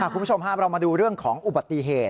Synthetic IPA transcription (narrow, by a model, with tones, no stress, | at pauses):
a˥˩ku˧˦˥t͡ɕʰo˧mɦaː˥˩m̚ɾa˧wmaː˧duː˧ɾɯ˥˩əŋkʰɔː˩˦ŋʔu˨ba˨˩t̪ːi˧˨ɦeː˨˩t̚